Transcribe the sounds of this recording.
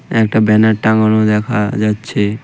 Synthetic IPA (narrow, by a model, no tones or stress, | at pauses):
ɛkʈabɛnaʈʈãŋɡɔɽõd̪ɛkʰad͡ʒatːt͡ʃʰe